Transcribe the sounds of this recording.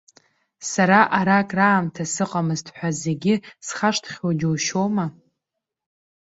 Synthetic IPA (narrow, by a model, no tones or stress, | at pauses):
saɾaʔaɾakʼraːmtʰasɨqʼamɨztʰħʷᶣaze̞ɡʲɪsχaʂtʰχʲod͡ʒowʃoma